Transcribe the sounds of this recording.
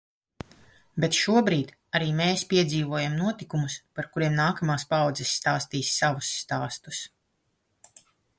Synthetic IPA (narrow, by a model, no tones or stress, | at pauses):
bet̪ʃuɔbɾiːt̪ | aɾiːmeːspiɛd̪ziːvuɔjamnuɔt̪ikumuspaɾkuɾiɛmnaːkamaːspawd̪zɛsːt̪aːst̪iːsːavusːt̪aːst̪us